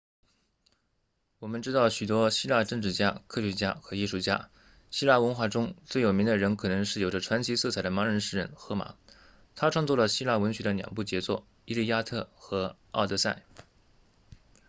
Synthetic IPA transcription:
wɔ˨˩mə˦nʈ͡ʂɻ̩˥t̪ɑ˥˩ʊɕy˨˩t̪̬wɔ˥ɕi˥la˥˧ʈ͡ʂɤ˥˧ŋʈ͡ʂɻ̩˥˩t͡ɕja˥kʰɤ˥˧ɕɥɛ˧˥t͡ɕja̰˥xɤ˧˥i˥˧ʂu˥˩t͡ɕja̰˥ | ɕi˥la˥˩wə˧˥nxwa˥˩ʈ͡ʂʊ˥ŋt͡swe˥˩ɪjo˨˩ʊmi˧˥d̪ə˧ɻə˧˥nkʰɤ˨˩nɤ˧˥ŋʂɻ̩˥˩jo˨˩ʊʈ͡ʂə˧˦ʈ͡ʂʰwa˧˥nt͡ɕʰi˧˥sɤ˥˩t͡sʰa˨˩d̪ə˦ma˧˥ɻə˧˥nʂɻ̩˥˧ɻə̰˥˩nxɤ˧˥ma̰˨˩˦ | t̪ʰa˥ʈ͡ʂʰwɑ˥˧ŋt͡swɔ˥˩lə˩ɕi˥la˥˩wə˧˥nɕɥɛ˧˥d̪ə˧njɑ̰˨˩ŋp̬u˥˩t͡ɕjɛ˧˥t͡swɔ̰˥˩ | i˥li˥˩ja˥t̪ʰɤ˥˩xɤ˧˥ | ɑ˥˧ʊt̪ɤ˥˧sa̰˥˩ɪ

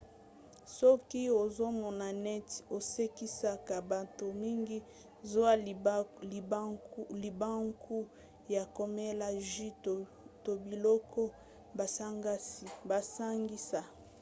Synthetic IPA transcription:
sɔ˦ki˦o˨zo˦mɔ˨na˨nɛ˦ti̥˨o˨se˦ki˦sa˦ka˨ba˨to˨mi˦ŋɡi˦ | zo˦a˦˨˦ | li˨ba˦ŋku˦ | ja˨ko˨me˦la˦ʒi˦t | to˨bi˨lɔ˦kɔ˦ | ba˨sa˦ŋɡa˦si˨ba˨sa˦ŋɡi˦sa˨

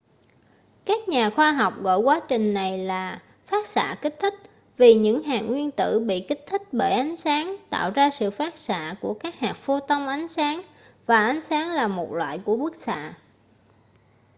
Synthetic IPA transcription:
kaː˦˥k̚ɲaː˨˩xwaː˧ɦɔ˨˩wk͡p̚ɣɔ̰˧˨jkwaː˨˦t͡ɕï˨˩ŋ̟na˨˩jlaː˨˩ | faː˦˥t̚sa̰ː˧˨kï˦˥k̟̚t̪ʰï˦˥k̚ | vi˨˩ɲɨ̰˧˥ŋɦaː˨˩ŋŋwi˧ənt̪ɨ̰˧˨ɓḭ˧˨kï˦˥k̟̚t̪ʰï˦˥k̟̚ɓə˧˩jʔa˨˦jŋ̟saː˨˦ŋt̪a̰ː˧˨wzaː˧sɨ̰˧˨faː˦˥t̚sa̰ː˧˨ku˧˩əkaː˦˥k̚haː˨˩k̚fu˧t̪ə˧wŋ͡mʔa˨˦jŋ̟saː˨˦ŋ | vaː˨˩ʔa˨˦jŋsaː˨˦ŋlaː˨˩mo˨˩t̚lwa̰ː˧˨jku˧˩əku˦˥ək̚sa̰ː˧˨

